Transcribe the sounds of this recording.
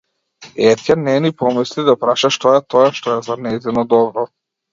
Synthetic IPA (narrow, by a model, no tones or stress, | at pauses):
ɛt̪canɛnipɔmislid̪apɾaʃaʃt̪ɔɛt̪ɔjaʃt̪ɔɛzanɛzɛnɔd̪ɔbɾɔ